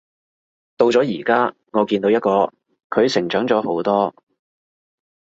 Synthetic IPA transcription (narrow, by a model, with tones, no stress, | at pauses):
t̪o˧wt͡sɔː˨˥jiː˨˩kaː˥ | ŋɔː˨˧˥kiː˧nt̪o˨˧wjɐ˥t̚kɔː˧ | kʰɵ˨˧ɥsɪ˨˩ŋt͡ʃœː˨˥ŋt͡sɔː˨˥ho˨˥wt̪ɔː˥